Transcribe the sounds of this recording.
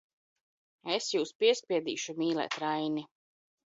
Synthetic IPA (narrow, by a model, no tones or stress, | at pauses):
esjuːspiɛspʲiɛd̪ḭːʃumiːlˠɛ̰t̪ɾajni